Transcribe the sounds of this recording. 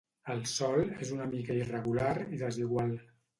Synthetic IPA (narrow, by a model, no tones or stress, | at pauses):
əlˠsɔlezunəmikəirəɣulaɾiðəziɣwalˠ